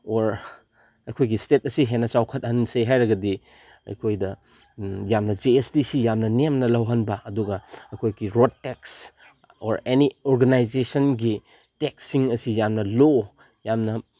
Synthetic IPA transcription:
oɾ | ɐjkʰojɡistet̚ɐsiɦenɐt͡ʃawkʰɐt̚hɐnsejɦajɾɐɡɐdi | ɐ̰jkʰojdɐ | jamnɐd͡ʒeestisijamnɐnemnɐlɐwɦɐnbɐʔɐduɡɐɐjkʰojɡiɾod̚teks | oɾenioɾɡanajd͡ʒesɐnɡi | teksiŋɐsijamnɐlo | jamnɐ

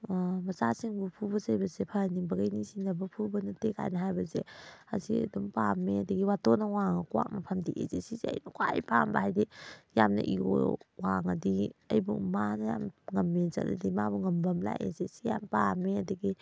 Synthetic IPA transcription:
mɐzasiŋbupʰubɐsɐjbɐzepʰɐnibɐɡɐjnisinɐbɐpʰubɐnɐtekʰa̰jnɐɦajbɐzea̰sḭɐ̰dɔmpamːeɐdɐɡiwatonɐwaŋɐkuwa̰k̚nɐpʰɐmdiʔḛzesizeɐ̰jnɐkwaj̰pʰambahajdijamnɐ̰ʔio̰waŋɐdiɐjbumanɐja̰mŋɐmːezɐ̰lɐ̰dimabuŋɐmbɐmla̰jḛzesijampameɐdɐɡi

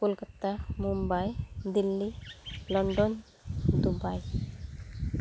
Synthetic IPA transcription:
pulkat̪amumbajd̪ilːilɔɳɖɔn | d̪ubaj

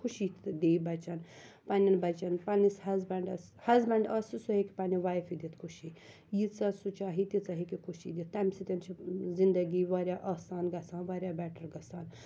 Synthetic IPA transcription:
kʰuʃid̪eːbɐt͡ʃɐn | pɐnʲɐnbɐt͡ʃɐnpɐnisɦɐzbɛɳɖɐs | hɐzbɛɳɖɐsisuɦeki̥pɐniʋaːjfid̪it̪kʰuʃi | jit͡sɐsut͡ʃaːɦit̪it͡sɐɦikikʰuʃḭd̪it̪̚t̪ɐmʲsit̪ʲɐnt͡ʃʰizind̪ɐɡiʋaːɾʲjaːʔaːsaːnɡɐsaːnʋaːɾʲjaːbɛːʈɐɾɡɐsaːn

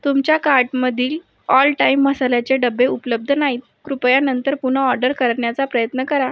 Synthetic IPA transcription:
t̪umt͡ɕjakaɾʈməd̪ʱiːl | ɔlʈaimːəsalat͡ɕeɖəbːeupələb̚d̪ʱənaɦiːt̪̚kɾupjanənt̪əɾpun̤əɔɾɖəɾkəɾɳjat͡sapɾəjət̪nəkəɾa

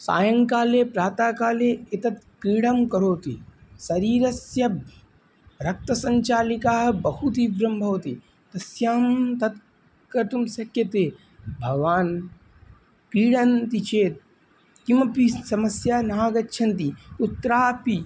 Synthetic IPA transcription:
sa̰ːjɐŋkaːleːpɾaːt̪aːkaːleːet̪ɐt̪kiːɽɐmkɐɾoːt̪ḭsɐɾiːɾɐsjɐ | ɾɐk̚t̪ɐsɐɲt͡ʃaːlikaːɦɐbɐhut̪ibɾɐmbʱɐwt̪i | t̪ɐsjaːmt̪ɐd̪ | kɐɾt̪umsɐkjɐt̪eː | bʱɐɡʋaːn | kiːɽɐnt̪it͡ʃʰeːt̪̚ | kimɐpisɐmɐsjaːnaːɡɐtːʃʰɐnt̪iut̪ːɾaːpi

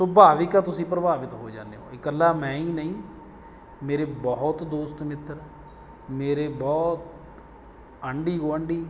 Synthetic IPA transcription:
sʊbʱaːʋɪkaːt̪ʊsĩːpɾəbaːʋɪt̪ɦoːd͡ʒã̰ːnd̪ḛɦo̰ːɪkəlːaːmɛ̃ːĩːnəĩː | meːɾeːbɔɦɔt̪d̪oːst̪mɪt̪əɾ | meːɾeːbɔːt̪̚ | əɳɖiːɡoːəɳɖiː

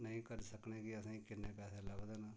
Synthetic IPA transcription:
nəĩːkəɾsəknẽːkiəsãːikɪnːẽːpɛːseːləɡd̪eːnaː

